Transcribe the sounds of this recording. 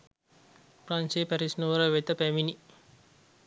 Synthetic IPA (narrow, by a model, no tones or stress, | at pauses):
praːnsejpæɾisnuʋəɾəʋet̪əpæʋini